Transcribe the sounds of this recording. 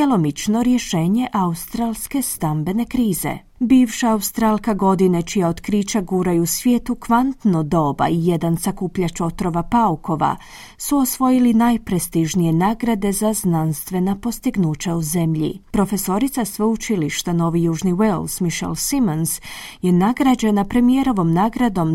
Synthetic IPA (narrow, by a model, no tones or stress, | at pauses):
elo̞mit͡ʃno̞ɾje̞ʃe̞ːɲe̞ʔaust̪ɾalˠske̞st̪ambe̞ne̞kɾiːze̞̰ | biːʋʃaaust̪ɾalˠkaɡo̞d̪inet͡ʃijaod̪kɾit͡ʃaɡuːɾajusʋje̞ːt̪ukʋant̪nod̪o̞ːba̰ije̞d̪ansakuːpʎat͡ʃo̞t̪ɾo̞ʋapauko̞ʋa̰ | suosʋo̞jilinajpɾe̞st̪iʒnijenaːɡɾad̪e̞zaznanst̪ʋe̞napo̞st̪iɡnuːt͡ʃauze̞mʎḭpɾo̞fe̞so̞ɾit̪sasʋeut͡ʃiliʃt̪ano̞ːʋijuːʒniwelsmiʃḛlsimonsje̞naɡɾad͡ʑe̞napɾe̞mije̞ɾo̞ʋo̞mnaːɡɾad̪o̞m